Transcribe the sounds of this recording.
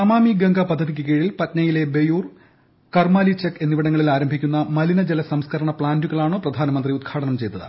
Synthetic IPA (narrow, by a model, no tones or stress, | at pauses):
ɐmaːmiɡɐŋɡɐpɐd̪ʱːɐðik̬ʲːɨk̬eːɻilpɐtnɐjile̞bejuːr | kɐrmaːlit͡ɕɐkːe̞nːiʋiɽɐŋːɐɭilaːɾɐmbʱikʲːunːɐmɐlinɐd͡ʑelɐsɐmskʰɐɾɐɳɐpɭaːnduɣɐɭaːɳoːprɐd̪ʱaːnɐmɐnd̪riud̪̚ɡʰaːʈɐnɐmt͡ɕe̞jt̪ːɐðɨ̰